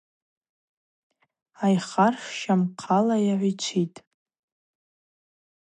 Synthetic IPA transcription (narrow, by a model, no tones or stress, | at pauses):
ajχarʂʃamqʰalajaʕʷit͡ʃʷʰitʼ